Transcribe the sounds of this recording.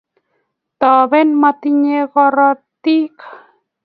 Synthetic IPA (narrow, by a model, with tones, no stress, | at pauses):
t̪ɔ˨bɛ˦nma˧t̪i˦ɲe˦ɣɔ˦ɾɔ˦t̪i˦k